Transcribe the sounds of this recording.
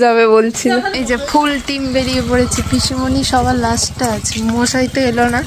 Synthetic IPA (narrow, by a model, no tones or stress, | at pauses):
d͡ʑaβebolt͡ɕʰiloejd͡ʑafʰulʈimbeɽiepoɽet͡ɕʰepiʃimoniʃɔbʱalasʈaat͡ɕʰemoʃaɦit̪eelona